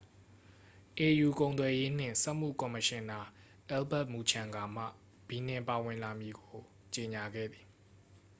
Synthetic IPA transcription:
ʔe˨ju˨kõ˨ʊ̃nt̪wɛ˨je˦n̥ɪ̰̃˦˨nsɛ˦ʔm̥ṵ˦˨kɔ˨mə˨ʃɪ̃˨nda˨ | ʔɛ˦lbɛ˦ʔmu˨t͡ɕʰã˨ŋɡa˨m̥ä̰˦˨ | b̥i˨n̥ɪ̃˨pa˨wɪ̃˨nla˨mji˨ɡo˨ | t͡ɕe˨ɲa˨ɡɛ̰˦˨d̪ði̥˨

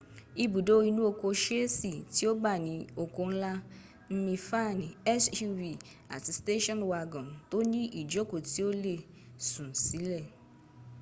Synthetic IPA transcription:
i˦bu˨do˦i˧nũ˦o˧ko˧ʃe˦si˦˨ti˨˦o˦ɡ͡ba˦˨nĩ˨˦o˧ko˧n̩˦la˦ | n̩˦nĩ˧fa˦˨n˨ɛ˦su˦vi˨ | a̰˨ti˨˦ste˦ʃɔ̃˦nwa˧ɡɔ̃˨nto˦nĩ˦ʔi˦˨d͡ʒo˦ko˨ti˦o˦le˦˨ | sũ˨n̩˨si˨˦lɛ˦˨

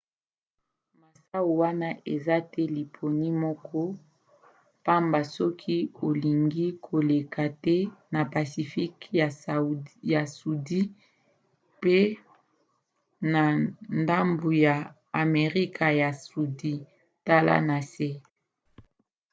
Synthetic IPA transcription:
ma˨sa˦wo˨wa˦na˦ʔe˨za˦tɛ˦li˨pʰo˨ni˦mɔ˦kʰɔ˦ | pa˦mba˨sɔ˦kʰi˦o˨li˨ŋɡi˦kʰo˨le˨ka˨tɛ˦na˨pa˨si˨fi˦kja˨sja˨su˨di˦ | pe˦ | na˨nda˦mbu˨ja˨ | a˨me˨ʁi˦kʰa˨ja˨su˨di˦ | ta˦la̰˦na˨sɛ˦

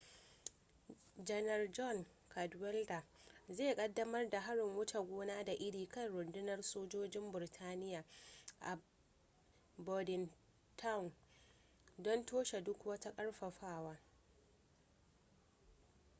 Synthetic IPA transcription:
d͡ʒɐ˦nɐ˨rd͡ʒɔ˦˨ŋ | kʰa˨dwɛ˦lda˨zeː˦˨kʼɐ˦dːɐ˦mɐ˦rda˨ɦa˦ɽɪ˨ŋwʊ˦tʰa˨ɡʷoː˦naː˦da˨ʔɪ˦ɽiː˨kɐ˦nɽʊ˨ndɪ˦nɐ˦rsoː˦d͡ʒoː˦d͡ʒɪ˦mbɪ˨rtʰaː˦nɪ˦jaː˨ʔa̰˨ | bɔ˨dɪ˨n | tʰa˦wn | dɔ˦ntʰoː˦ʃe˨dʊ˦kwɐ˦ta˦kʼɐ˦ɽɸɐ˨ɸaː˦waː˦

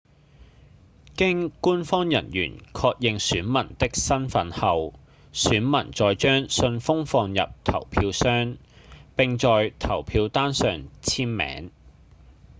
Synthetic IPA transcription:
kɪ˥ŋkuː˥nfɔː˥ŋjɐ˨˩njy̰ː˨˩nkʰɔː˧k̚jɪ˨ŋsyː˨˥nmɐ˨˩nt̪ɪ˥k̚sɐ˥nfɐ˨˥nhɐ˨w | syː˨˥nmɐ˨˩nt͡sɔː˨jt͡ʃœː˥ŋsɵ˧nfʊ˥ŋfɔː˨˧ŋjɐ̰˨p̚t̪ʰɐ̰˨˩wpʰiː˧wsœː˥ŋ | pɪ˨ŋt͡sɔː˨jt̪ʰɐ˨˩wpʰiː˧wt̪aː˥nsœː˨ŋt͡sʰiː˥mmɛ̰ː˨˥ŋ

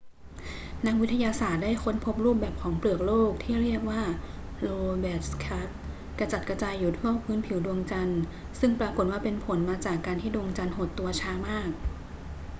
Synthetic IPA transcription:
na˦˥k̚wi˦˥t̪ʰːa˧jaː˧saː˨˩t̪̚daː˥˩jkʰo˧˥˨npʰo˦˥p̚ɾuː˥˩p̚bɛː˨˩p̚kʰɔː˩˦ŋplɯ˨˩ək̚loː˥˩k̚t̪ʰiː˥˩ɾi˥˩ək̚waː˥˩ | loː˧bɛː˨˩kʰa˦˥t̪̚ | kɾa˧t͡ɕa˨˩t̪̚kɾa˧t͡ɕaː˧jːu˨˩t̪ʰu˥˩əpʰɯː˦˥npʰi˩˦wdu˧əŋt͡ɕa˧n | sɯ˥˩ŋpɾaː˧ko˨˩t̪̚waː˥˩pe˧npʰo˩˦nmaː˧t͡ɕaː˨˩kːaː˧nt̪ʰiː˥˩du˧əŋt͡ɕa˧nho˨˩t̪ːu˧ɐt͡ɕʰaː˧˥maː˥˩k̚

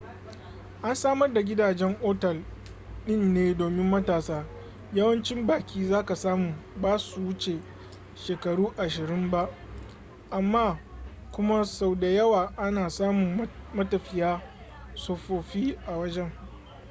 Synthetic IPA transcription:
ʔa˦nsaː˦mɐ˦rda˨ɡʲɪ˦daː˨d͡ʒɛ˦ŋʔoː˦tɛ˨l | ɗɪ˦˨nneː˦doː˨mɪ˦mːɐ˦taː˨saː˦ | jɐ˦wɐ˦nt͡ʃɪ˦mbaː˨kʲʰiː˦zaː˦ka˨saː˦muː˨baː˦su˨wʊ˦t͡ʃe˨ | ʃeː˨kɐ˨ɽuː˦ʔa˨ʃɪ˨ɾɪ˦mba˦ʔ | ʔa˨mːaː˦ | kʷʊ˦ma˦sa˨wda˨jɐ˦waː˨ʔa˦naː˨saː˦mʊ˨mmɐ˦tɐ˨ɸɪ˦jaː˦ | soː˨ɸoː˨ɸiː˦ʔa˨wɐ˦d͡ʒɛ˦ŋ

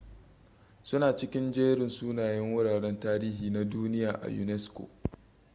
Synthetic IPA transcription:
sʊ˦naː˨t͡ʃɪ˦kʲɪ˦nd͡ʒeː˦ɽɪ˨nsuː˦naː˨jɛ˦ŋwʊ˦ɽaː˨ɽɛ˦ntaː˦ɾiː˦ɦiː˨na˦duː˦nɪ˦jaː˨ʔa̰˨jṵ˨nɛ˦skʷo̰˨

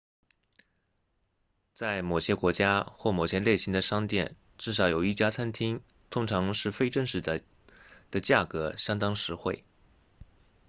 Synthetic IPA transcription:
t͡sa˥˩ɪmo˨˩ʊɕjɛ˥kwɔ˧˥t͡ɕja˥xwɔ˥˩mo˨˩ʊt͡ɕʰjɛ˧˥nle˥˩ɪɕi˧˥ŋd̪ə˧ʂɑ˥ŋt̪jɛ̰˥˧˩n | ʈ͡ʂɻ̩˥˩ʂ̬ɑ˧˥ʊjo˨˩ʊi˥˩t͡ɕja˥t͡sʰa˥nt̪ʰi˥ŋ | t̪ʰʊ˥ŋʈ͡ʂʰɑ˧˥ŋʂɻ̩˥˩fe˥ɪʈ͡ʂə˥˧ŋʂɻ̩˥˩ | d̪̥ə˨t͡ɕja˥˩kɤ˧˥ɕjɑ˥ŋt̪ɑ˥ŋʂɻ̩˧˥xwe˥˩ɪ

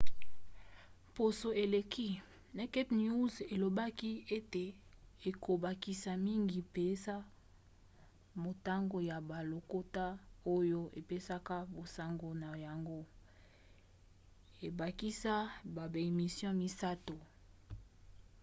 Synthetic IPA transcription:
mpo˨so˨e˨le˨ki˦ | na˨kɛ˦pnju˦ze˨lo˨ba˦ki˦e˦te˨e˨ko˨ba˨ki˨sa˨mi˦ŋɡi˨pe˨za˦ | mo˨ta˦ŋɡo˦ja˨ba˨lo˨ko˦ta˦o˦jo˦ʔe˨pe˦sa˦ka˦bo˨sa˨ŋɡo˨na˨ja˨ŋɡo˦ | e˨ba˨ki˦sa˦ba˨be˨mi˨sjɔ̃˦mi˦sa˦to˨

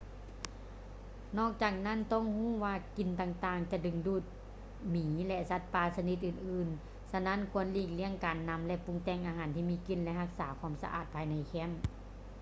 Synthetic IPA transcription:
nɔː˧˥˩k̚t͡ɕaː˨˩k̚na˧˥˨nt̪ɔ˧˥˨ŋhuː˧˥˩waː˧ki˨˩nt̪aː˧˩ŋt̪aː˧˩ŋt͡ɕa˧dɯ˧˨ŋduː˧˩t̪̚ | miː˨˦lɛ˧˥sa˧˥t̪̚paː˧˩sa˧ni˧˦t̪̚ʔɯː˧˨˩nʔɯː˨˧˩n | sa˧na˧˥˨nkʰu˧˥˨ənliː˧˩k̚li˧˥əŋkaː˨nːa˧˥mlɛ˧˥ʔpu˧˥ŋt̪ɛː˧˩ŋʔaː˨˧ɦaː˨˦nt̪ʰiː˧miː˧˥˨ki˧˨nlɛ˧˥ɦa˧˥k̚saː˨˦kʰa˧˥ə˨msa̰˧ʔa̰ː˨˩t̪̚pʰaː˨˧˨jna˧jkʰɛ˧˥˨m

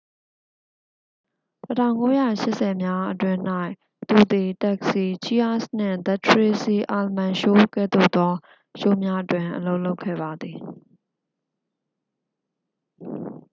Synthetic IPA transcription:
tətʰã˦˨ʊ̃ŋko˦jä̰˦˨ʃɪ˦ʔsɛ˨mja˦ʔətwɪ̃˦n̥a˦ɪʔ | t̪ṵ˦˨d̪i˨tɛ˦˨ksi˨t͡ɕʰi˦a˦˨sn̥ɪ̰̃˦˨d̪ɛ˦˨tʰɹe˦si˨ʔa˨lmã˨ʃo˦kɛ̰˦˨d̪o̰˦˨t̪ɔ˦ | ʃo˦˨mja˦ʔətwɪ̃˨ʔəlo˦ʊʔlo˦ʊkʰːɛ̰˦˨ba˨d̪ði˨

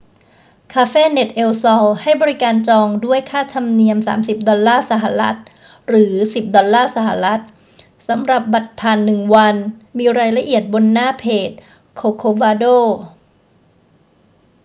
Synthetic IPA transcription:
kʰaː˧feː˥˨ne˨˩t̪̚ʔe˧wsɔ˧wha˥˩jbɔː˧ɾi˦˥kaː˧nt͡ɕɔː˧ŋdu˥˩əjkʰaː˥˩t̪ʰa˧mni˧əmsa̰ː˩˦msi˨˩p̚dɔ˧lːaː˥˩sa˧˦ɦa˨˩ɾa˦˥t̪̚ | ɾɯː˩˦si˨˩p̚dɔ˧lːaː˥˩sa˧˦ɦa˨˩ɾa˦˥t̪̚ | sa˩˦mɾa˨˩p̚ba˨˩t̪̚pʰaː˧˩nːɯ˨˩ŋwa˧nmiː˧ɾaː˧jla˧ʔi˨˩ət̪̚bo˧nːaː˥˩pʰeː˨˩t̪̚ | kʰoː˧kʰoː˧waː˧doː˥˩

